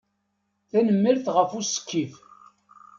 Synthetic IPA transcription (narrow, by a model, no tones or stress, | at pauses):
θænəmːəɾθʁəfusə̥kːif